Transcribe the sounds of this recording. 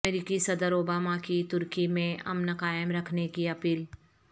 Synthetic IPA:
eːɾiːkisɐd̪əɾoːbaːmakit̪ʊɾkimẽɐ̰mnəkaːjəmɾɐkʰnekiɐpiːl

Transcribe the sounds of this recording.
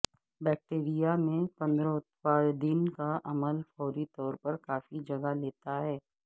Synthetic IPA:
bɛːk̚ʈeːɾijamẽpɐ̃nd̪ɾɔ̃t̪paːɾd̪ɪnkaʔɐməlfɔːɾit̪ɔːɾpɐɾkaːfid͡ʒɐɡaleːt̪aɦɛː

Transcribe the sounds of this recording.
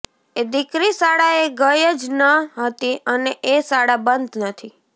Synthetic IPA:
ed̪ikɾisaɽaeɡəjəd͡ʒnəɦət̪iəneʔesaɽabənd̪nət̪ʰi

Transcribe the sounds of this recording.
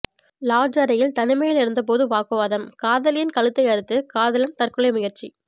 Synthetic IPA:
laːd͡ʒɐɾɐjɪlt̪ɐnɪmɐjɪlɪɾɯnd̪ɐp̬oːðɯʋaːkɯʋaːðɐmkaːðɐlɪjɪnkɐɭɯt̪ːɐɪɐɾɯt̪ːɯkaːðɐlɐnt̪ɐrkɯɭɐjmɪɣɪɾt͡ʃi

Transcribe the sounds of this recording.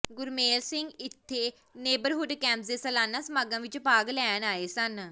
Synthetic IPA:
ɡʊɾmeːlsɪŋɡɪt̪ʰːeː | neːbəɾɦʊɖkɛ̃ːmpsd̪eːsəlaːnaːsəmaːɡãːʋɪt͡ʃpaːɡlɛːnaːeːsən

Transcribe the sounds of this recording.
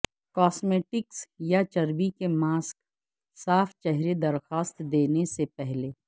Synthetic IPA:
kɔːsmeːʈɪksjat͡ʃɐɾbikemaːsk | saːfʰt͡ʃɛɦɾed̪ɐɾxaːst̪d̪eːnesepɛɦleː

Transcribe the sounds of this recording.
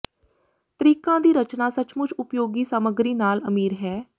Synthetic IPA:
t̪əɾiːkãːd̪iːɾət͡ʃnaːsət͡ʃmʊt͡ʃʊpjoːɡiːsəməɡɾiːnaːləmiːɾɦɛː

